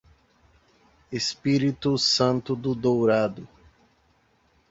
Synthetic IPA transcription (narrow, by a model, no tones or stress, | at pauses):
espiɾit̪ʊsɐ̃nt̪ʊd̪ʊd̪owɾad̪ʊ